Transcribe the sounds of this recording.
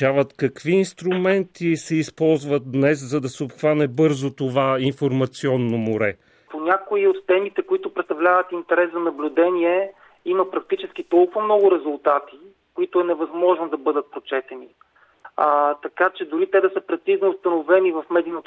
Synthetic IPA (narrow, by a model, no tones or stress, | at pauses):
avət̪kɐkviːnst̪ɾumɛnt̪isɛispɔlˠzvət̪̚d̪nɛszɐd̪ɐsɛopxvanɛbɤɾzot̪ovainfoɾmɐt̪siɔnːomoɾɛ | ponʲakʊiot̪ːɛmit̪ɛkoit̪ʊpɾɛt̪t̪ɐvlʲavət̪int̪ɛɾɛszɐnɐblʲʊd̪ɛniɛ | imɐpɾɐk̚t̪it͡ʃɛsk̟it̪ɔlˠkʊvomnɔɡʊɾɛzʊlˠt̪at̪i | koit̪ʊɛnɛvɐzmɔʒnod̪ɐbɤd̪ət̪̚pɾot͡ʃɛt̪ɛni | t̪ɐkat͡ʃɛd̪ʊɾit̪ɛd̪ɐsəpɾɛt̪siznoːst̪ɐnovɛnivɐfmɛd̪inot̪